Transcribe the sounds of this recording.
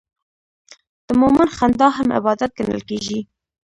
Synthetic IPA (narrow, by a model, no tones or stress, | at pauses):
d̪̥əmoːmɪnxand̪ɑːɦamʔɪ̰bɑːd̪at̪̚ɡənə̰lkeːʒi